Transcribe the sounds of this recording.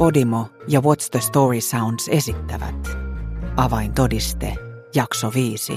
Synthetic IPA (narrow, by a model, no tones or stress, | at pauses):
po̞dimojɑwot̪sd̪əst̪oːɹisawndse̞sit̪ːæʋæ̰t̪ʔɑʋɑjnt̪odist̪ejɑksoʋiːsḭ